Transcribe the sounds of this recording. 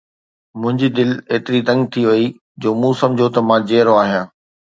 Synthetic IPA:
mʊ̃ɦɪ̃ɲd͡ʑiːd̪ɪleːt̪ɪɾit̪ɐ̃ŋɡ̚t̪ʰiʋɐi | d͡ʑoːmũsɐ̃md͡ʑʱot̪ɐmãːd͡ʑeːɾoaːɦijãː

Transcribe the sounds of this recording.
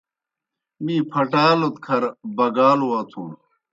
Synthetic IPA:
mĩːpʰɐʈaːlot̪kʰɐɾbɐɡaːluwaːt̪ʰũ

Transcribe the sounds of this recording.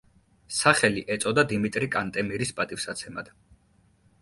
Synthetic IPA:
saχɛliʔɛt̪sʼɔd̪ad̪imit̪ʼɾikʼant̪ʼɛmiɾispʼat̪ʼifsat̪sʰɛmad̪̥

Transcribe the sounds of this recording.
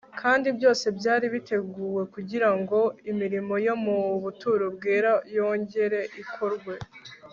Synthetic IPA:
kʰaːndibjo̞ːse̞bɟaːɾiβite̞ɡuːwe̞kuɟiɾaŋɡo̞imiɾimo̞jo̞muβutuːɾubɡeːɾajo̞ːɲɟe̞ɾe̞ʔikʰo̞ɾɡwe̞

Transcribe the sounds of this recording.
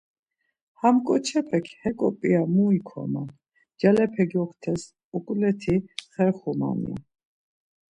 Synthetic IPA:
hamkʼɔt͡ʃʰɛpʰɛkʰhɛkʼɔpʼiamuikʰɔ̰ma | d͡ʒalɛpʰɛɡiɔkʰt̪ʰɛs | ɔkʼlɛt̪ʰiχɛɾχɔma̰nḭa̰

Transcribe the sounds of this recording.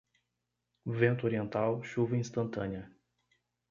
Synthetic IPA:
vẽnt̪ʊoɾiẽnt̪awʃuvɐĩst̪ɐ̃nt̪ɐ̃niɐ

